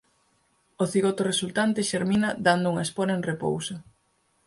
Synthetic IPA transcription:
oθiɣot̪oresult̪ant̪ɪʃeɾminɐd̪and̪ʊuŋɐesponɐeŋrepo̰wsɐ

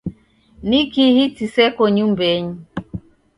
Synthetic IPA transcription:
nikihitisɛkoɲumbɛɲi

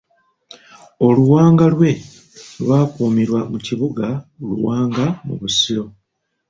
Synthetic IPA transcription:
o̞luwaːŋɡalwe̞ | lwaːkuːmiɾwamuciβuɡaluwaːŋɡamṵβusiɾo̞

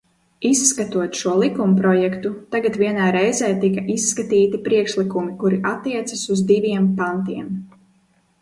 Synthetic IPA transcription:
isːkat̪uɔt̪ʃuɔlˠikumpɾɔjɛkt̪ut̪aɡat̪viɛnaːɾɛjzɛːt̪ikaʔisːkat̪iːt̪ipɾiɛkʃlikumikuɾiʔat̪ːiɛt̪sasuzd̪ivʲiɛmpant̪iɛm

